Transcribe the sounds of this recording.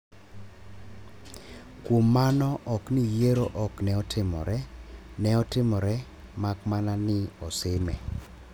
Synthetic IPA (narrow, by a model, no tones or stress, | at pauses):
kwomːanɔʔɔknɪjeɾoʔɔknɛɔtʰɪmɔ̰ɾɛ | nɛɔtɪmɔɾɛ | makmananɪɔsɪmɛ